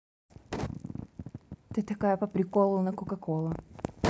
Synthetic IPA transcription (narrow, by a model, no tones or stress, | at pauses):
t̪ɨt̪ɐkajəpəpɾʲɪkolˠʊnɐkʊkɐkolˠɐ